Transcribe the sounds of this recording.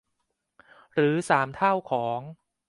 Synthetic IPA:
ɾɯː˩˦saː˩˦mt̪ʰa˥˩wkʰɔː˩˦ŋ

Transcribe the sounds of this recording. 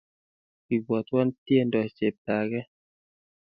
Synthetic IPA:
i˨ɡwɔ˨t̪wɔ˦ntje˦ndɔ˨t͡ʃe˨p̚ta˨ɡɛ˦

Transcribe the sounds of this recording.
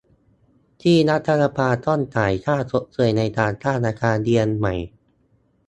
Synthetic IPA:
t̪ʰiː˥˩na˦˥t̪ʰːa˧la˧pʰaː˧t̪ɔ˥˩nt̪aː˨˩jt̪ʰaː˥˩so˦˥ʔ̚sɤ˧˩əjna˧jt̪aː˧nt̪aː˥˩nʔaː˧kʰaː˧ndi˧ənma˨˩j

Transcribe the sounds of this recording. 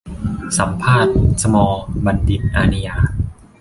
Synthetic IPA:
sa˩˦mpʰaː˥˩t̪̚sa˧mɔː˧ba˧ndi˨˩ʔaː˧ni˧jaː˧

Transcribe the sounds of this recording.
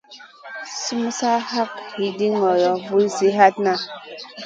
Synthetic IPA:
si˦m˦sa˦ha˦khi˨di˦ŋɔ˨jɔ˨vu˦zi˦ɦa˦tna˦

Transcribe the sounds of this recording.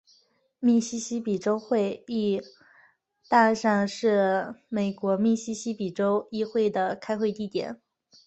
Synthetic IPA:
mi˥˩ɕi˥ɕi˥pi˨˩ʈ͡ʂo˥ʊxwe˥˧ɪi˥˩ | t̪a˥˧ʂa˥˧ŋʂɻ̩˥˩me˨˩ɪkwɔ˧˥mi˥˩ɕi˥ɕi˥pi˨˩ʈ͡ʂo˥ʊi˥xwe˥˩ɪd̪ə˩kʰa˥ɪxwe˥˧ɪt̪i˥˩t̪jɛ̰˨˩˦n

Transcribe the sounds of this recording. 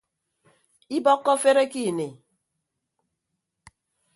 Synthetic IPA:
i˦bɔ˦kːɔ˦fe˦ɾe˦ki˦˨ne˨

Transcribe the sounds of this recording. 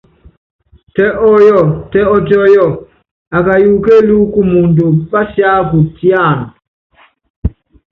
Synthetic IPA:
tɛ˦ʔɔ˦jɔ˦˨tɛ˦ɔ˦tɔ˦jɔ˦˨ | a˨ka˨ju˨ke˦lu˦ku˦mu˨ndu˨ba˦sja˦k̬u˨ti˦a˦˨nɔ˨

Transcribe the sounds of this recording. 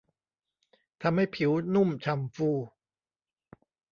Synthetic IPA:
t̪ʰa˧mha˥˩jpʰi˩˦wnu˥˩mt͡ɕʰa˧mfuː˥˩

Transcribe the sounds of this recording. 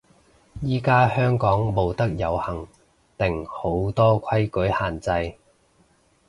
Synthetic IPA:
jiː˥kaː˥hœː˥ŋkɔː˨˥ŋmo˨˧wt̪ɐ˥k̚jɐ˨˧whɐ˨˩ŋ | t̪ɪ˨˩ŋho˨˥wt̪ɔː˥kʰɐ˥jkɵ˨˥jhaː˨˩nt͡sɐ˧j

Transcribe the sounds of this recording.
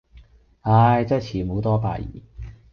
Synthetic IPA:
aː˧˩jt͡sɐ˥˩t͡sʰiː˨˩mo˨˥wt̪ɔː˥pa̰ː˧˩jḭː˨˩

